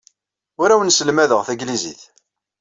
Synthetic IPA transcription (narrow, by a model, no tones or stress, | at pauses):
ʊɾæwənsəlmæðəʁθæɡlizḭθ